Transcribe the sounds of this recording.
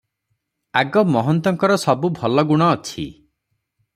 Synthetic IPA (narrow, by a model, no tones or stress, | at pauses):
aɡɔmɔɦɔnt̪ɔŋkɔɾɔsɔbubʱɔlɔɡuɽ̃ɔːt͡ʃʰḭ